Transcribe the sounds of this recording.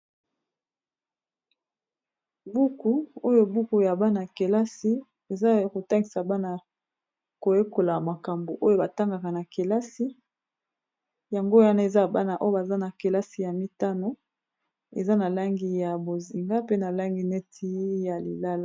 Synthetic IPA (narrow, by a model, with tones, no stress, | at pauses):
bu˦ku˨o˦jo˦bu˦ku˨ja˨ba˦na˨ke˨la˦si˦ | e˨za˦ko˨ta˦ŋɡi˨sa˨ba˦na˨ | ko˨je˦ko˨la˨ma˨ka˨mbo˨ʔo˦jo˦ba˨ta˦ŋɡa˨ka˨na˨ke˨la˦si˦ | ja˨ŋɡo˦a˦na˦e˨za˦˨ba˦na˨ʔo˦jo˦ba˨za˦na˨ke˨la˦si˨ja˨mi˦ta˦no˨˦ | ḛ˨za˦na˨la˦ŋɡi˦ja˨bo˨zi˨ŋɡa˦pe˦na˨la˦ŋɡi˦ne˦tʰi˦ja˨li˨la˦la˦˨